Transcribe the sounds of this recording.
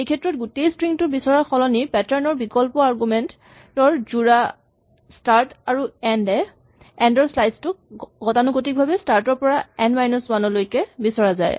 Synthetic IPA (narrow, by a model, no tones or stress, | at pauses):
ejkʰɛtːɹɔtɡutejstɹiŋtʊbisɔɹaxɔlɔnipɛtɛɹnɔɹbikɔlpɔaɹɡumɛnt | tɔɹzuɹa | staɹtaɹuɛndɛ | ɛndɔɹslajstʊkɡɔtanukotik̚bʱabɛstaɹtɔɹpɔɹaɛnmajnuswanɔlojkɛbisɔɹaza̰j